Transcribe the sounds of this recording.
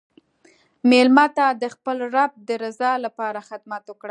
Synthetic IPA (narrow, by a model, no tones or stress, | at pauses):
melmɑt̪ad̪əxpəlɾab̚d̪əɾazɑlapɑɾaxɪd̪mat̪okɽa